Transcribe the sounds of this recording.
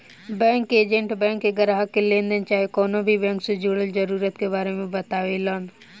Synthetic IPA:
bɛ̃ːŋkeːd͡ʒə̃ɳʈbɛ̃ːŋkːeɡəɾaːɦəkelẽːnd̪ənt͡ʃaːɦekɔːnõbʱibɛ̃ːŋksed͡ʒoːɽəld͡ʒəɾuːɾət̪keβaːɾemẽbət̪aːʋeːlaːn

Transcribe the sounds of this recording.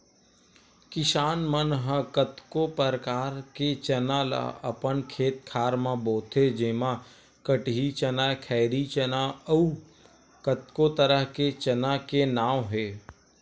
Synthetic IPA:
kɪʃaːnmənɦəkət̪kopəɾkaːɾket͡ʃɐnala̰ə̰pənkʰeːt̪̚kʰaːɾmãboːt̪ʰed͡ʒeːmã | kəʈɦit͡ʃənaːkʰɛːɪɾit͡ʃənau | kət̪kot̪əɾəɦket͡ʃənakenaːwɦeː

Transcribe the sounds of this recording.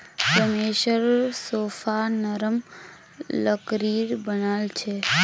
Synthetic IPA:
pɾəmeʃəɾsofanəɾəm | ləkɾiɾbənalt͡ʃʰe

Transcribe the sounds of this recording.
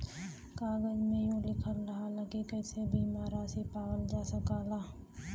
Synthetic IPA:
kaːɡəd͡ʒmẽjũlɪkʰəlɾɐɦalakekɛːsebiːmaːɾaːsipaːwəld͡ʒaːsəkaːlaː

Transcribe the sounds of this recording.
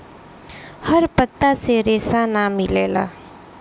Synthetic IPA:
həɾpət̪ːaseɾeːsanamɪleːla̰ː

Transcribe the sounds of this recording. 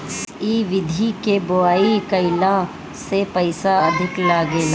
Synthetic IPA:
iːʋɪd̪ʱikebʊaːikəɪlã | sepɐɪsaɐd̪ʱɪklaːɡeːl

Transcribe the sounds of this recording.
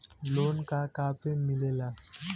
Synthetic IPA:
lonkakapemilela

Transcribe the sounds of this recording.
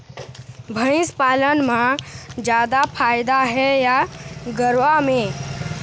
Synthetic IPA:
bʱə̃ɪ̃spaːlənmãd͡ʒjaːd̪apʰaːjd̪aɦɛjaɡəɾʋamẽ

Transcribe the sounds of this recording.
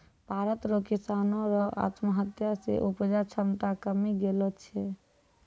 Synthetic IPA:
paɾət̪ɾokisanoɾɔa̰t̪məɦət̪jasḛʔupəd͡ʒat͡ʃʰəmt̪akəmiɡelɔt͡ʃʰɛ

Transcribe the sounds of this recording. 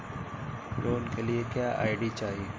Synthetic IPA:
loːnkeliekjaːʔa̰ːɪɖit͡ʃaːɦieː

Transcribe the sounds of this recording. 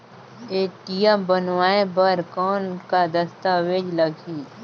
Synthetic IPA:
eːʈijabənwaːẽbəɾkɔːnkad̪əst̪aweːd͡ʒləɡʰiː

